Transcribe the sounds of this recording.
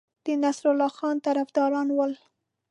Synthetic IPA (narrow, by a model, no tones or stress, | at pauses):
d̪̥ənasɾʊlɑxɑnt̪aɾafd̪ɑɾɑnwəl